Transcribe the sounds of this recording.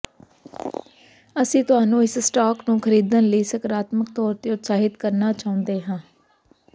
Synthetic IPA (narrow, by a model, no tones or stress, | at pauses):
əsĩːt̪ʊɦaːnũːɪssʈaːknũːkʰəɾiːd̪ənləiːsəkɾaːt̪mək̚t̪ɔːɾt̪eːʊt̪saːɦɪt̪kəɾnaːt͡ʃaːʊ̃nd̪eːɦãː